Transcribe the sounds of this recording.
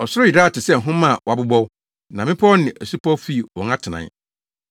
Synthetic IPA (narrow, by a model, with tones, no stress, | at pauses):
ɔ˨sʊ˦ɾʊ˦ji˨daː˦˨tʰɪ˨sɛ˦ŋ̩˨ɦʊ̃˦mã˦˨wɔ˨a˨bʊ˦bɔ˦w | nã˨mɪ̃˦pʰɔ˦nɪ̃˨ʔæ˨su˦pʰɔ˦fi˦˨wɔ̰̃˨ŋã˦tʰɪ˨nã̰˨˦